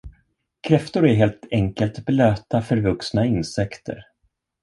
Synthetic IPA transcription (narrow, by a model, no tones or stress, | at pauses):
kʰɾɛft̪ʊɾæɾɦeːlt̪ɛŋkəlt̪bløːt̪afœɾvɵksnaɪnsɛkt̪ʰə̰ɾ